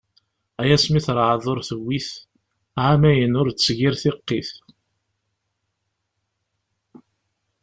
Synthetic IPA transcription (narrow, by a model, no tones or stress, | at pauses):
æjæsmiθɾˤʕəðˤʊɾθəwːiθ | ʕamæjənʊɾsʝiɾθɪqːiθ